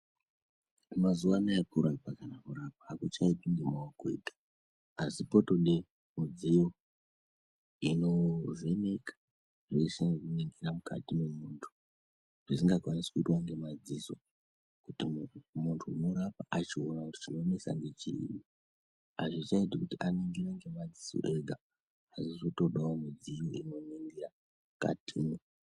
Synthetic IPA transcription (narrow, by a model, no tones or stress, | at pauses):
mazuwanaepuɾaipakanamuɾap̚aːkut͡ʃaipiŋɡimaokḛːtḁ | asipo̞to̞ɗe | mud͡zijo | ino̞venekḁ | ʐeisiʐineŋɡeɾamukʰa̰tine̞muntʰu̥ | ʐ̥isiŋɡakwanisi̥kuitwaŋɡe̞mad͡ziso̞ | kutimuntʰuinoɾapaʔat͡ʃionakuti̥t͡ʃino̞ne̞sa̰ŋɡe̞t͡ʃḭji | a̰ʐit͡ʃaitikutianeŋɡiɾaŋɡe̞mad͡ziso̰ʔe̞ɡʱa | asisoto̞ɗaomud͡zijoʔino̞neŋɡira | ka̰tʰino